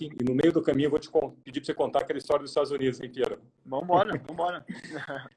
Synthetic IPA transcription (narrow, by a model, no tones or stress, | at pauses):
ĩɪnʊmejʊd̪ʊkɐmĩɲʊevot͡ʃɪ̥kõped͡ʒipɾosekõnt̪aɐkɛlɐɪist̪ɔɾɐd̪ʊzist̪ad̪ʊzũnid̪ʊzsẽj̃t̪eɾɐ | vɐ̃m̃bɔɾɐvɐ̃m̃bɔɾɐ